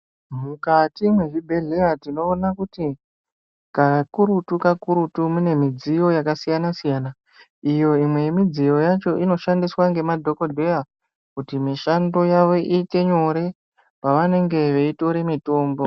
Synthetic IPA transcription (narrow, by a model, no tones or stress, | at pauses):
mukatimweʐibʱe̞ɮe̞atino̞ːnakuti | kakuɾutukakuɾutumune̞mid͡zijo̞jakasijanasijaːna | ijo̞imwe̞jemid͡zijo̞jat͡ʃo̞ʔino̞ʃandiswaŋɡe̞madʱo̞ko̞dʱe̞a | kutimiʃando̞jaʋo̞ʔiːte̞ɲo̞ɾe̞ | paʋane̞ŋɡe̞ʋeito̞ɾe̞mito̞ːmbo̞